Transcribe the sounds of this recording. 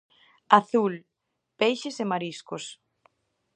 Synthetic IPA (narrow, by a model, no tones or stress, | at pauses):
aθul | pejʃɪsemaɾiskʊs